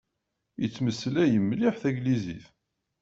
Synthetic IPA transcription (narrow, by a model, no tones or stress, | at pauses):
jət͡sːməsːəlæjəmːliħθæɡliziθ